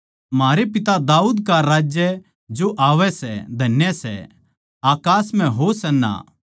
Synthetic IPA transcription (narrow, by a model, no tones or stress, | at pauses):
maːɾepɪt̪ad̪aːuːd̪kaɾaːd͡ʒjə | d͡ʒoʔaːʋɛsɛ̰d̪ʱɐnjəsɛ̰ | aːkaːsm̤ɛ̃ɦosɐnːa̰ː